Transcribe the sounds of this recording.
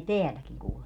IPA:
teælækiŋ kuːlemɑ

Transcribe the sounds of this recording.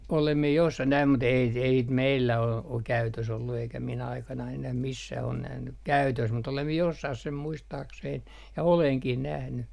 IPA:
olem mie josːɑh næim mut ei ei sit meilːæ ol o kæytøs olːu eikæ min ɑikɑnɑin enæh misːæh on næhny kæytøs mut olem mie josːɑh sem muistɑːksein jɑ oleŋkih næhny

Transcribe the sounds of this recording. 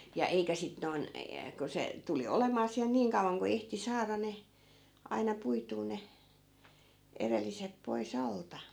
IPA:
jɑ eikæ sit noi̯n jɑ ku se tuli olemɑː siæl niːŋ kɑuʋɑŋ ku ehti sɑːrɑ ne ɑinɑ puituː ne erelːisep poi̯s ɑltɑ

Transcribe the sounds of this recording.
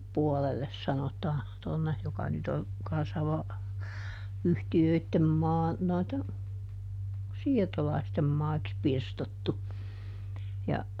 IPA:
puolelːes sɑnotɑː tonːe jokɑ nyt on kɑn̞sːɑ ʋɑ yhtiøitːem mɑː noitːen siːrtolɑistem mɑiks pirstotːu jɑ

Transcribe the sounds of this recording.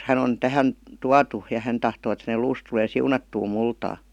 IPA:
hæn on tæhæn tuɑtu jɑ hæn tɑhtoː et hænel luːs tuleː siunɑtːuː multɑː

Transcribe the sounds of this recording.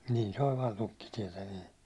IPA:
nin se olʲ ʋɑːn tukːitiɛtæ niː

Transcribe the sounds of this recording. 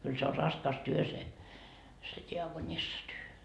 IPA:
kyl se o rɑskɑs se se diɑkonisːɑtyø

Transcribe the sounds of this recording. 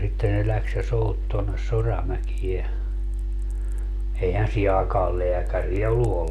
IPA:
sitːe ne læks jɑ sout tonːes sorɑmækie eihæn siː ɑːkɑːl leækæriæ olːu

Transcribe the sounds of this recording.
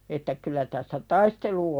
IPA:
etːæ kylˑæ tæsːæ tɑistelu

